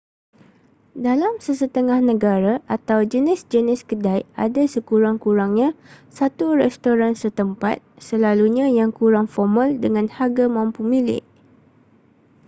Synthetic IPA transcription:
dalamsəsət̪əŋahnə̃ɡaɾaʔat̪awd͡ʒənɪsd͡ʒənɪskədajʔa̰dasəkuɾaŋkuɾaŋɲãsat̪urɛst̪oɾansət̪əmpa̰t̪̚səlaluɲãjaŋkuɾaŋfɔmə̃ldəŋãnhaɡamãmpumilɪ̰ʔ

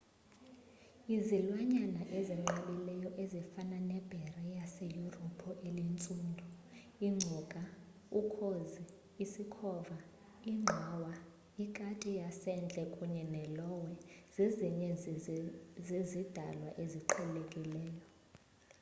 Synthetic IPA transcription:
izilwaɲanaʔeziŋ͡ǃalilɛjɔʔezifananɛb̥ʱɛrɛjasejurɔpʰɔʔelint͡sʼundʱu | iŋ͡ǁʱukʼa | ukʰozi | isikʰɔːva | iŋ͡ǁʱɔwa | ikʼatʰʼijasɛnd͡ɮʱʼɛkʼuɲɛnɛlɔwɛz̥iziɲɛ | zizid̥ʱa̰lwaʔeziǃʰɛllekʼilɛːjɔ

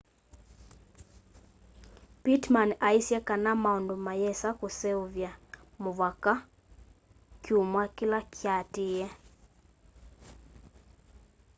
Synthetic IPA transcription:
pitmanaisjɛkanamaɔndomajɛsakosɛoβjamoβaka | kjumwakɪlakjatɪjɛ

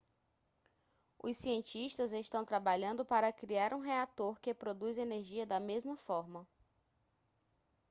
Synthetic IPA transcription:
ʊ̰siẽnt͡ʃiʃt̪ɐzest̪ɐ̃w̃t̪ɾabaʎɐ̃nd̪ʊpaɾɐkɾiaɾʔũɦeat̪oɾkɪpɾod̪ujzeneɾʒiɐd̪ɐmezmɐfɔɾmɐ

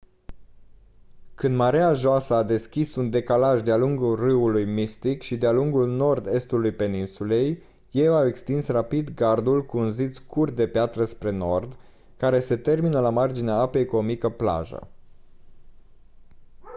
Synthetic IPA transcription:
kɨnd̪maɾeaʒoasəːd̪e̞skʲisund̪e̞kalaʒd̪ealuŋɡulrɨulujmist̪ikʃid̪ealuŋɡulno̞rd̪e̞st̪ulujpe̞ninsule̞jː | e̞wawe̞kst̪insrapid̪ɡard̪ulkuunzit̪skurt̪̚d̪e̞peat̪ɾəspɾe̞no̞rd̪ | kaɾe̞se̞t̪e̞rminəlamard͡ʒineaape̞jkuo̞mikəpla̰ʒə̰

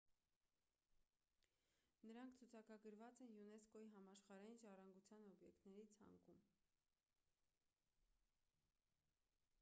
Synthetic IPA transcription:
nəɾɑŋkʰt͡sʰut͡sʰɑkɑɡəɾvɑt͡sɛnjunɛskɔiɦɑmɑʃχɑɾɑjinʒɑrɑŋɡut͡sʰjɑnɔbjɛkt̪nɛɾit͡sʰɑ̰ŋkum

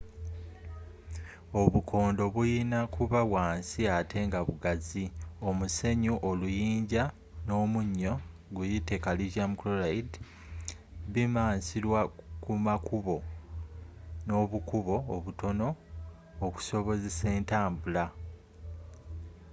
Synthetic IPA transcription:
o̞βukʰo̞ːndo̞βujinakuβaβwaːnsiatʰe̞ːŋɡaβuɡazio̞muse̞ɲuʔolujiːɲɟa | no̞ːmuɲːo̞ | ɡujite̞kalizamukloɾait | βimaːnsiɾwakumakʰuβo̞ | no̞βukuβo̞ːβuto̞no̞ː | ku̥so̞βo̞ze̞se̞ːntaːmbula

